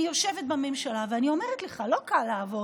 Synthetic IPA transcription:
ijoʃevet̪̚bame̞mʃalaveanio̞meʁɛt̪leχalo̞kalːaːvo̞

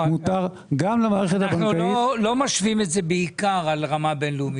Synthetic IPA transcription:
mutaʁ | ɡamlemaːʁeχet̪abaŋnuloilo̞maʃvimetze̞beikaʁalʁamabe̞nluumi

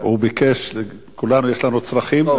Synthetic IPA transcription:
ubikeʃ | kulanujeʃlanut͡sʁɐχim

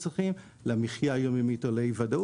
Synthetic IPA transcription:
t͡sʁiχim | lamiχjajomimit̪olejvadau

